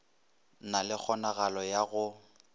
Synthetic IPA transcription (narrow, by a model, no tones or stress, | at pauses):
nalɪk͡xʰɔnaɣalɔjaɣʊ